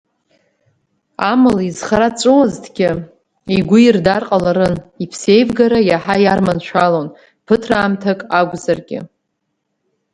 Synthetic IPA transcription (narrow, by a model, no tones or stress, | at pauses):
amalizχaɾat͡sʷʼɨwaztʰɡʲɪ | iɡʷʊirdarqʼalaɾɨnipʰse̞jvɡaɾajaħajarmanʃʷalon | pʰɨtʰraːmtʰakʼaɡʷzarɡʲɪ̰